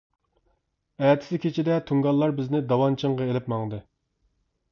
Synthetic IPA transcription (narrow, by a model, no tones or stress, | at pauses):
ɛt̪ʰɪ̥sɪkʲʰet͡ʃʰid̪ɛt̪ʰuŋɡɑlˠːɑɾbɪznɪd̪ɑwɑnt͡ʃʰəŋʁɑelɪpmɑŋd̪ɨ